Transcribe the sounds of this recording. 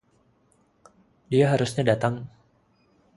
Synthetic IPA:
diaɦaɾusɲadat̪aŋ

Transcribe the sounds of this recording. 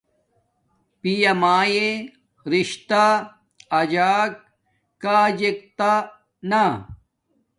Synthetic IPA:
pijɐmaːje | ɾiɕt̪a | ɐd͡ʑaːk̚ | kaːd͡ʑek̚t̪a | na

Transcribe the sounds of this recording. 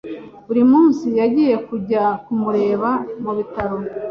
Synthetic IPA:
uɾimuːnsijaɟiːje̞kuɟakumuɾe̞ːβamuβitaɾo

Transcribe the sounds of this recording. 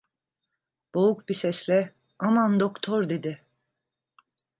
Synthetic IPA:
b̥oukbisɛslʲɛ | amand̪okt̪ʰɔɾd̪ed̪ɪ

